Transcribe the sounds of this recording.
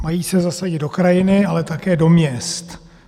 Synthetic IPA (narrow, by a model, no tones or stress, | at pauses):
majiːsɛzasaɟɪd̪̚do̞kɾajɪnɪalɛt̪akɛːdo̞mɲɛst̪